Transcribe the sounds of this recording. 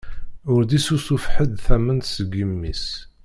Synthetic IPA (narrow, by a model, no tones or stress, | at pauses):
ʊɾd̪isusufħəd̪θæmənt̪səɡəmːis